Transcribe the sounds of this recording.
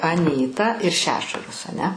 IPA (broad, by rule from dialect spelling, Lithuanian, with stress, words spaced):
ɐˈnʲiːtɐ ɪr ˈʃʲæːʃʊrɐs ɐˈnʲɛ